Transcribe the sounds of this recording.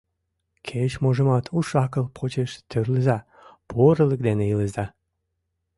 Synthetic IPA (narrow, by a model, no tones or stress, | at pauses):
kʰet͡ɕmoʒə̆mɑt̪ʰuʃɑkəlpʰot͡ɕeʃt̪ørləzɑ | poɾələk̚d̪eneiləzɑ